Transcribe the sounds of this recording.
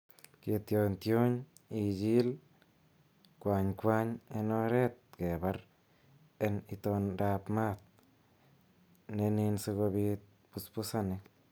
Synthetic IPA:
ke˧t̪jo˧nt̪jo˦ɲ | i˧d͡ʒi˦l | kʷa˧ɲkʷa˧ɲe˧no˧ɾe˦t̪̚ɡe˨ba˧ɾ | e˧ni˧t̪o˧nɾa˧pma˦˧t̪̚ | ne˧ni˧nse˧ɡo˧bi˧t̪̚ | pu˧spu˧sa˦˧ne˧

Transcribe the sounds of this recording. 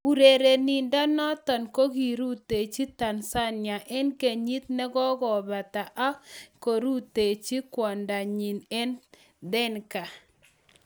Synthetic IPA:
u˨ɾe˨ɾe˨ni˨nda˦nɔ˦tɔ˨nko˦ɡi˨ɾu˦t̪e˨t͡ʃi˦ta˨nsa˦nɪa˨ʔɛ˦nke˨ɲi˦t̪̚nɛ˦ɡɔ˦ɡɔ˨ba˨t̪a˨ʔa˦ko˨ɾu˦t̪e˨t͡ʃi˦kwɔ˨nda˨ɲi˨nɛ˦n | d̪ɛ˦nka˨

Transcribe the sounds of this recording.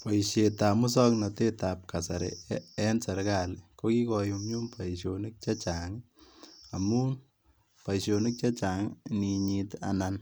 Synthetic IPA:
pɔ˨iʃje˨ta˨mu˦sɔ˦knɔte˦ta˨p̚ka˨sa˨ɾeɛ˦nsa˨ɾka˨lko˦ki˦kɔju˧mɲu˦mpʰa˨iʃjonɪ˦k̚t͡ʃa˦t͡ʃaŋ | a˨mu˦ | pa˨iʃo˨nɪk̚t͡ʃa˦t͡ʃa˨ŋni˨ɲita̰nan

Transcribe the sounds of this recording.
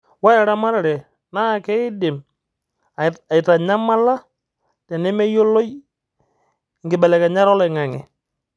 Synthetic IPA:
wa˦ɾa˨ɾa˦ma˦ɾa˨ɾɛ˨ | na˦˨kɛ˦ɪ˦dɪ˨m | a˨ɪ˨ta˨ɲa˦ma˦la˦ | tɛ˨nɪ˦mɛ˦jo˦lo˦j | ŋɡɪ˨bɛ˨lɛ˨kɛ˨ɲa˦ɾɔ˦lɛ˨ŋa˨ŋɪ̰˨

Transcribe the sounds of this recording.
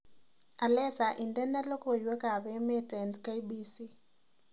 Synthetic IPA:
a˨lɛ˦sa˨ʔi˨ndɛ˦nda˦lo˦ko˨jwe˦ka˨βe˦me˦tɛ˨ntka˦i˦bi˦si˦

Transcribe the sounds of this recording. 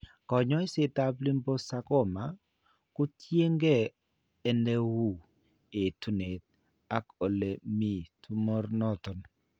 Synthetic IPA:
kɔ˨ɲɔ˦ɪ˦se˦ta˦pli˦mbo˦sa˦kɔ˦˨ma˨ | kʊ˦tje˦ŋɡeː˦˨ | nde˦wu˦˨ | e˨tu˦ne˨t̚ | a˦ko˨le˨mi˦˨tʰu˦mo˦ɾnɔ˦˨tɔ˨n

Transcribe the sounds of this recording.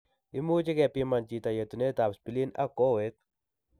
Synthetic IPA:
ɪ˦mu˦t͡ʃɪ˦kɛ˨pi˦ma˨nt͡ʃi˨ta˨je˨tu˨ne˦ta˨pspi˨li˦na̰˦ko˦we˦t̪̚

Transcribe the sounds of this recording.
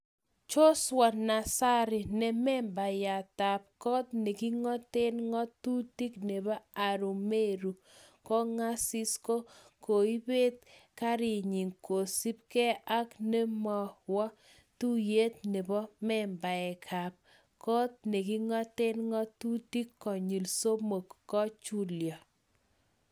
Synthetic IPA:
t͡ʃo˦swɔ˨na˨sa˦ɾɪ˨nɛ˨mɛ˦mba˨ja˨ta˨p̚kɔ˦t̚ne˨ki˦ŋɔ˦te˦nŋɔ˦tu˦ti˦kne˨bɔ˦a˨ɾu˨me˦ɾu˨ | kɔ˦ŋa˦si˦sko˦ | ko˨i˦be˦t̚ka˦ɾi˨ɲi˨ŋko˨si˦p̚kɛ˦ʔa˦kne˦mɔ˨wɔ˦ | tu˦je˦t̪̚ne˨bɔ˦mɛ˦mba˨ɛ˨kʰa˨p̚ | kɔ˦t̪̚ne˨ki˦ŋɔ˦te˦nŋɔ˦tu˦ti˦kːɔ˨ɲi˨lso˦mo˨kːɔ˦t͡ʃu˦ljɔ˨

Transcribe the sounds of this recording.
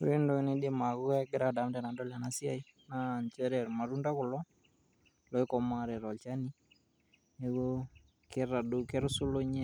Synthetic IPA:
e˦ndo˦ne˦die˦ma˨ɣu˦a˦ɡɪ˦ɾada˨˦mdɛ˨na˨ndɔ˦lja˨nasja˦i˦ | na˦˨ɲt͡ʃɛ˦ɾɛ˨ɾma˨ɾu˦nda˦kʊ˨lɔ˦ | lɔ˦i˦kɔ˨ma˦ɾɛ˨ɾɔ˨t͡ʃa˦ni˦ | ne˨ɣo˦ | ke˦ɾa˨du˨kɛ˦ɾu˦su˦lo˦ɲɛ˦

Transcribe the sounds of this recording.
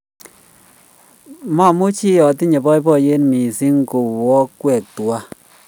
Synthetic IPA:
ma˦˨mu˦t͡ʃi˦jɔ˨ti˦ɲe˨bɔ˦jbɔ˦˨je˦nmi˨si˦ŋ˦ko˨wɔ˦kwɛ˨k̚twa˦

